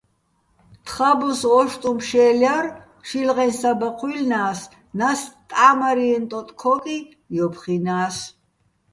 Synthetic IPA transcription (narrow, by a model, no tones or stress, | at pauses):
t̪ʰχabɔsɔʃt̪ʼumpʃɛːljaɾ | ʃilʁɛnsabaqʰwilnaːs | nast̪ʼamaɾiɛnt̪ʼɔt̪ʼkʰɔkʼi | jɔpʰχinaːs